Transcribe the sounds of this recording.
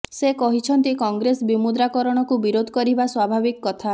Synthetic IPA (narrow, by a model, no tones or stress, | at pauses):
sekɔɦit͡ʃʰɔnt̪ikɔŋɡɾesbimud̪ɾakɔɾɔɽ̃ɔkubiɾod̪ʱkɔɾibaswabʱabikːɔt̪ʰa